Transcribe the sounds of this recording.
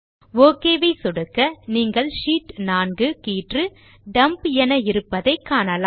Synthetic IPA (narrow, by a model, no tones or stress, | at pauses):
ʋoːkeːʋɐɪsɔɽɯkːɐniːŋɡɐɭʂiːʈnaːnɡɯkiːʈrɯ | ɖɐmpɛnɐɪɾɯpːɐðɐɪkːaːnɐlaː